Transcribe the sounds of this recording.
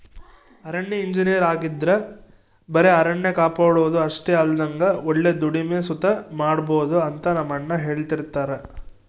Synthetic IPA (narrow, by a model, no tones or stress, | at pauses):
ɐɾɐɳːeiɲd͡ʒinijɐɾaːɡid̪ɾe | bɐɾe̞ɐɾɐɳːekaːpaːɽuʋd̪uɐʂʈeɐld̪ɐŋɡɐoɭːe̞d̪uɽimeːsut̪ɐmaːɽbo̞ːd̪uɐnt̪ɐnɐmːɐɳːɐɦeːɭt̪iɾt̪aːɾe